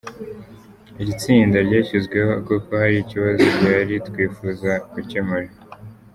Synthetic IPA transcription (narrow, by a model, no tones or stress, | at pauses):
iɟit͡siːndaɾɟaːçizɡwe̞ho̞koko̞haɾiiciβazoɾɟaːɾitkwiːfuːzaɡucemuɾa